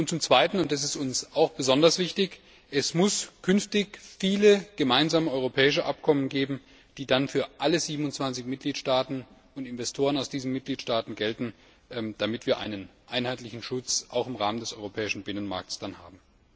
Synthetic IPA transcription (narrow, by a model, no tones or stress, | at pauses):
ʔʊnt̚t͡sʊmt͡sv̥aɪtn̩ʊntɛs̬ɪstʊnsaʊxb̥əzɔndɐsv̥ɪçtɪç | ʔɛsmʊskʰʏnftɪçfiːləɡ̥əmaɪnzaːməʔɔʏʁ̞opʰɛːɪʃəʔap̚kʰɔmənɡeːbm̩ | d̥iːdanfyːɐʔaləziːbm̩ʊnt͡sv̥ant͡sɪçmɪt̚ɡ̥liːtʃtaːtn̩ | ʊntɪnvɛstʰoːʁ̞ənaʊsd̥iːzm̩mɪt̚ɡ̥liːtʃtaːtn̩ɡɛltn̩ | d̥amɪtv̥iːɐʔa̰ɪnənʔaɪnhaɪtlɪçn̩ʃʊt͡sʔa̰ʊxɪmʁaːməndɛsɔʏʁopʰɛːɪʃn̩bɪnənma̰ɐk̚tsd̥anha̰ːbm̩